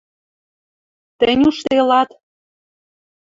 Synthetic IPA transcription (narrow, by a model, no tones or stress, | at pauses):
t̪əɘ̆nʲuʃt̪elɑt̪